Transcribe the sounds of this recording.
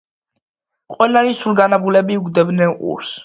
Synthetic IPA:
qʼwɛlaɾisulɡanabulɛbiuɡd̪ɛbnɛnʼṵɾs

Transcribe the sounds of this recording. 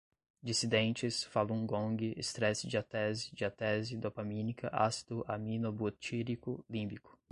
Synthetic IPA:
d͡ʒisid̪ẽnt͡ʃɪsfalũɡõŋɡɪʔest̪ɾɛsɪd͡ʒiat̪ɛzɪd͡ʒɪat̪ɛzɪd̪opamĩnikʰɐʔa̰si̥d̪ʊʔamĩnobut͡ʃiɾikʊlĩbikʊ̥

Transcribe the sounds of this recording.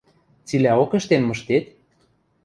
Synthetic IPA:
t͡silʲæokĕʃt̪enmɤ̆ʃt̪et̪

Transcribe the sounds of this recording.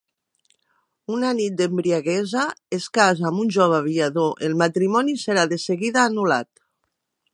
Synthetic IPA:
unanit̪̚d̪embɾiaɣezaeskazamunʲʒoβ̞aaβiaðoʔelˠmat̪ɾimɔniseɾaðeseɣiðaːnula̰t̪

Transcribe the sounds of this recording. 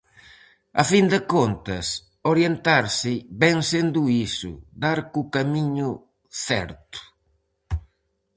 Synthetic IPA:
a̰find̪ɪkont̪ɐs | oɾjent̪aɾsɪbɛŋsend̪uisʊ̰d̪aɾkukamiɲʊ | θɛ̰ɾt̪ʊ̥

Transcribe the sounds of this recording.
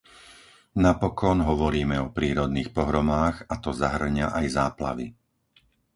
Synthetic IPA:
napɔkɔnɦɔʋɔɾiːmɛɔpɾiːɾɔd̪niːxpɔɦɾɔmaːɣat̪ɔzaɦr̩ɲaʔajzaːpla̰ʋḭ

